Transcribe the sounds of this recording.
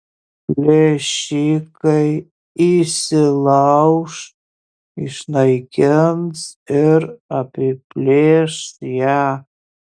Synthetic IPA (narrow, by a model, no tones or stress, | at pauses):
pleʃikʼaj | isɨlawʂ | iʂnajɡʲɛmzərapʰepleʂja